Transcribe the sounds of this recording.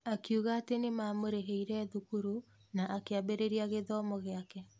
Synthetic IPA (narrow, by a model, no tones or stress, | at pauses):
akiuɣaːtenemamoɾeɦeiɾɛðukuɾu | naʔakeabeɾeɾiaɣeðɔmɔɣeakɛ